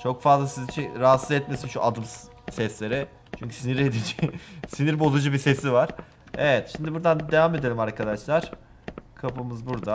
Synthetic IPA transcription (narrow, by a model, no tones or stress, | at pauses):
t͡ʃʰo̞kfazlˠasizt͡ʃʰiɾaat̪szɛt̪me̞sinʃuʔad̪ɯms | sɛslʲe̞ɾɛ | t͡ʃʰyɲcʰysiniɾe̞d̪id͡ʒisiniɾbo̞zud͡ʒɯbise̞sivaɾ̥ | evɛt̪ʃimd̪ibuɾd̪and̪e̞vaːme̞d̪e̞lʲimaɾkʰad̪aʃlˠaɾ̥ | kʰapɯmɯzbuɾd̪a